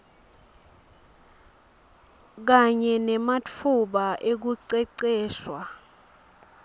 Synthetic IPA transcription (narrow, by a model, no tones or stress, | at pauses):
k̬aɲɛnɛmat͡fʰuɓaʔek̬uǀɛǀɛːʃwa